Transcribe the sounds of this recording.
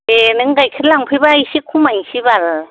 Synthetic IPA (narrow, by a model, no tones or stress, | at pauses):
enɯŋɡajkʰɯɾlaŋpʰɯjbajsikʰumajŋsibal